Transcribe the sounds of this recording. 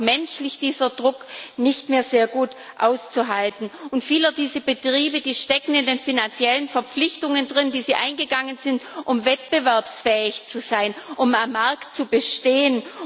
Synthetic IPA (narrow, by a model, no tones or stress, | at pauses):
mɛnʃlɪçd̥iːzɐdʁʊknɪçtmeːɐzeːɐɡuːtʔaʊst͡suɦaltn̩ʊntfiːlədiːzəbətʁ̥iːbəd̥iːʃtɛkŋ̩ɪndeːnfinant͡sjɛlənfɛɐp͡flɪçtʊŋəndʁɪndiːziːʔaɪnɡəɡaŋənzɪntʔʊmvɛtb̥əvɛɐpsfɛːɪçt͡suzaɪnʔʊmamːaɐktt͡subəʃteːən